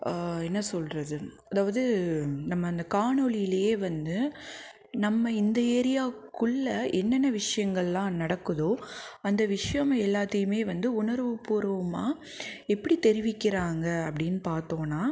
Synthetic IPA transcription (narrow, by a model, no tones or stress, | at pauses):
ɛnːɐsɔlɾɐðɯ | ɐðaːʋɐðɯnɐmːɐːnd̪ɐkaːɳɔɭɪjɪlɐjeːʋɐnd̪ɯ | nɐmːɐɪnd̪ɐeːɾɪjaːkɯɭːɐʔɛnːɐnːɐʋɪʂɐjɐŋɡɐɭlãːnɐɽɐkːɯðoːɐnd̪ɐʋɪʂɐjɐmɛlːaːt̪ːɐjɯmeːʋɐnd̪ɯʊɳɐɾʋɯpuːɾɐʋɯmaː | ɛpːɐɽit̪ɛɾɪʋɪkːɪɾaːŋɡɐɐpːɐɽɪnːɯpaːɾt̪oːnːaː